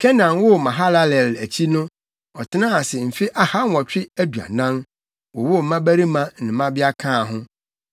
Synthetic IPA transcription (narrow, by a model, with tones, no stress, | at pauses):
kʰɛ˦nã˨n˦wʊ˦mã˨ɦa˦la˦lɛ˨læ˨t͡ɕʰi˦nʊ̃˦ | ɔ˨tʰɪ˦nã˦a˨sɪ˨m̩˨fi˦ʔa˦ha˦n˦wɔ˨t͡ɕᶣɪ˦æ˦du˨a̰˨nã˦n | wɔ˨wʊ˦˨m̩˨mã˦bæ˦ɾi˦mã˦nɪ̃˨mã˦bɪ˦a˦kʰãː˦˨ɦʊ̃˦